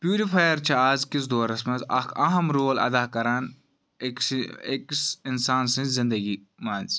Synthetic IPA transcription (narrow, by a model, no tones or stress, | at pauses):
pjuːɾipʰaːjɐɾt͡ʃʰɐaːzkɪs̬d̪oːɾɐsmɐ̃zɐ̰kʰɐɦɐmɾoːlɐ̰d̪aːkɐɾaːn | kseksɪnsaːnsĩnzɪ̃nd̪ɐɡi | maːnz